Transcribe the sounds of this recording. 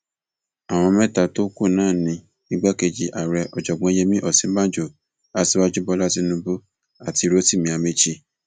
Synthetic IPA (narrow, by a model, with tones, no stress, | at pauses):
a˨w̃ɔ̃˧mɛ̃˦˨ta˨˧to˦ku˦˨nãː˦˨nĩ˧˦ | ĩ˦ɡ͡ba˦ke˧˨d͡ʒi˨˧ʔa˨ɾɛ˧ʔɔ˨d͡ʒɔ˨ɡ͡bɔ̃˧e˦je˦mĩ˦ʔɔ˦˨sĩ˨˦bã˦˨d͡ʒo˨ | a˧ti˧wa˦d͡ʒu˦bɔ˧˦la˦ti˧nũ˧bo˦ | a˨ti˧ɾo˦ti˦˨mĩ˧˦a˧me˧t͡ʃi˦˨